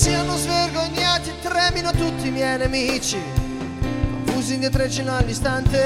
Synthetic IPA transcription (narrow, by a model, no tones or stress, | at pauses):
sianozverɡoɲːaːt̪it̪ɾɛːminot̪ut̪ːiːmjɛjnemit͡ʃi | fuzind̪it̪ɾet͡ʃinalːist̪ant̪e